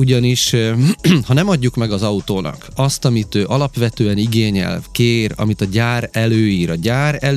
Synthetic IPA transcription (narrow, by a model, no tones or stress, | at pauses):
uɟɒniʃ | hɒnɛmɒɟːukmɛɡɒzɒut̪oːnʔɒ̰kɒst̪ɒmit̪øːʔɒlɒpʋɛt̪øːɛniɡeːɲɛ̰lkeːɾɒ̰mit̪ɒɟaːɾɛløːiːɾɒɟaːɾɛl